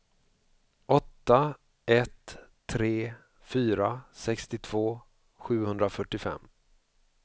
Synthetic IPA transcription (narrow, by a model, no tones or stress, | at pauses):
ɔt̪ːa | ʔɛt̪ʰː | ɾeː | fyːɾasɛkst̪ɪt̪ʰv̥oː | ɧʉ̟ːhɵnd̪ɾafœʈːɪfɛ̰mː